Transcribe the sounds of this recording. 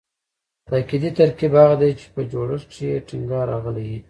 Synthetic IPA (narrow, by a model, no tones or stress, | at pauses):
t̪akid̪it̪aɾkibɑɣad̪ajt͡ʃe̥pəd͡ʒoɽəʂt͡ʃjeʈiŋɡɑɾɑ̰ɣəlewi